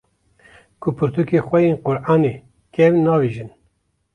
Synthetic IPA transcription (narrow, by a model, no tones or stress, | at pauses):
kʰʊpʰɨɾt̪ukexwɛjeːnqʊɾʔɑːne | kʲɛwnɑːviːʒɨn